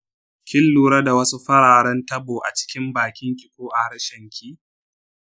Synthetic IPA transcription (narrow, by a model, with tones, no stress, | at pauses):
kʲɪ˦lːuː˨ɾɐ˦da˨wɐ˦su˦ɸɐ˦ɽaː˨ɽɐ˦ntɐ˦boː˨ʔa̰˨t͡ʃɪ̥˦kʲɪ˦mbaː˨kʲɪ˦ŋkʲʼɪ˨koː˦ʔa˨ha˦ɾɐ˦ʃɐ˦˨ŋkʲʰiː˦